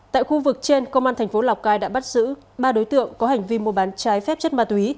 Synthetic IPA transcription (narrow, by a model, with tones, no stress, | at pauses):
t̪a̰ː˧˨jxu˧vɨ˨˩k̚t͡ɕe˧nkə˧wŋ͡mʔaː˧nt̪ʰɛ˨˩ŋ̟fo˨˦la˨˩wk͡p̚kaː˧jɗa̰ː˧˥ɓa˦˥t̚zɨ̰˧˥ɓaː˧ɗo˨˦jt̪ɨ̰˧˨əŋkɔ˨˦ɦa˨˩jŋ̟vi˧mu˧əɓaː˨˦nt͡ɕaː˨˦jfɛ˦˥p̚t͡ɕə˦˥t̚maː˧t̪wi˨˦